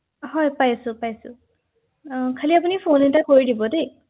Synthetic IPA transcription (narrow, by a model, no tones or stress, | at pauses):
hɔjpajsʊpajsʊ̰ | kʰaliap̬unipʰonɛntakoɹidibɔde